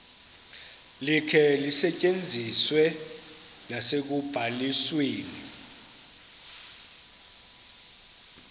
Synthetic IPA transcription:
likʰɛlisɛcʼend͡zʱiswɛ | nasek̬ub̥ʱalisweːni

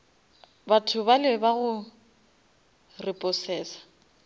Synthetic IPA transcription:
batʰʊbalɪbaɣʊ | rɪpʼɔsɛːsḁ

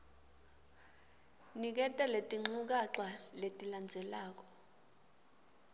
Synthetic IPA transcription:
nik̬ɛtʼɛletʼiŋ͡ǀuk̬aǁaletʼiland͡zʱɛlaːk̬ɔ̥

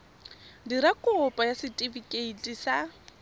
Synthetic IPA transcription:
diɾakʼɔpʼajasɪtʼivikʼeitʼisa

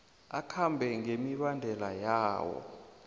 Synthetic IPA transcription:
akʰambʱɛŋemiɓandʱɛlajaːwɔ̰

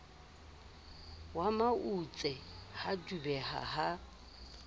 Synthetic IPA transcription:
wamaut͡sʼɛhadubɛɦa̰ha

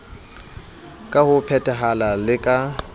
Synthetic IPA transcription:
kʼahʊpʰɛtʼɛɦalalɪkʼa

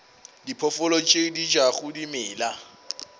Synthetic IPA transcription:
dipʰɔfʊlɔt͡ʃʼedid͡ʒaɣʊdimɪːla

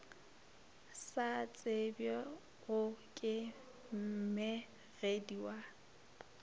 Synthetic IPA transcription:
sat͡sʼebjɔ | ɣʊkʼɪ | m̩mɛ | ɣediwa

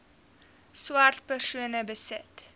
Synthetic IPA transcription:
swɐrt̚pərsuənəbəsɪt

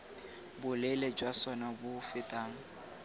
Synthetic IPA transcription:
bʊlɛled͡ʒwasɔnabʊfɪtʼaːŋ̩

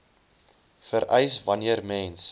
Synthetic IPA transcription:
fəɾʔɛjsvɐniərmɛːns

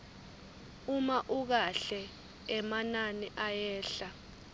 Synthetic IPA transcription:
umaʔuk̬aɬɛ | ɛmananiʔajɛːɬa

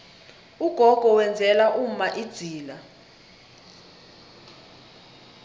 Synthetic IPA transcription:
uɡ̥ʱɔɡ̥ʱɔwɛnd͡zʱɛlaʔum̩maʔid̥z̥ʱiːla

